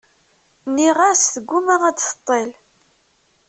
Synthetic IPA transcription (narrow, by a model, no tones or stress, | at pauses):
niʁasθəɡʷːumæʁædfə̥t̪ˤːel